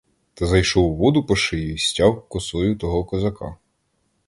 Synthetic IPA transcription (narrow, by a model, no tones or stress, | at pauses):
t̪ɐzɐjʃɔwʋɔd̪ʊpɔʃɪjsʲtʲɑwkɔsɔjʊt̪ɔɦɔkɔzɐkʰɑ̰